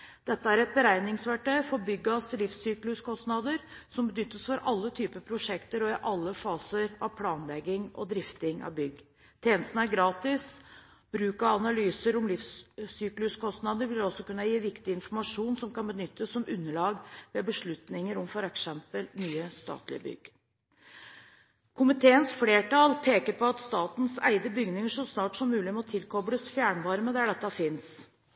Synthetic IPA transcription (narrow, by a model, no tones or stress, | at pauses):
d̪̥ɛt̪ːəæɾɛt̪̚bəɾæɪnɪŋsʋæʈœʏfɔɾbʏɡːɑslɪfsyːklʉskʰɔst̪nɑd̪əɾsɔmbənʏt̪ːəsfɔɾʔɑlːət̪ʰyːpəpʰɾʊʂɛkt̪əɾɔɪʔɑlːəfɑːsəɾɑʋpʰlɑːnlɛɡːɪŋɔ̰d̪ɾɪft̪ɪŋɑ̰ʋbʏɡ | t̪ʰeːnəst̪n̩æɾɡɾɑːt̪ɪs | b̥ɾʉːkɑɑnɑlyːsəɾɔmlɪfssyːklʉskʰɔst̪nɑd̪əɾʋɪlɔsːɔkʉnːɑjiːʋɪkt̪ɪɪnfɔɾmɑʂuːnsɔmkɑnbənʏt̪ːəsːɔmʉnːəɭɑːɡʋɛbəʂɭʉt̪nɪŋəɾɔmfɔɾɛksɛmpəlnyːəst̪ɑ̰ːt̪lɪ̰əbʏ̰ɡ | kʰʊmɪt̪ʰeːənsfleːʈɑlpʰeːkəɾpʰɔɑt̪st̪ɑːt̪nsæ̰ɪd̪əbʏɡnɪŋəʂɔsnɑːʈsɔmːʉːlɪmɛɔt̪ʰɪlkʰɔbləsfjæːɳʋɑɾməd̪æɖɛt̪ːɑfɪns